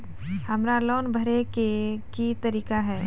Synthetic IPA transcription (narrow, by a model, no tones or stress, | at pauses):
hɐmɾalɔːnbʱəɾekekit̪ɐɾiːkaɦɛː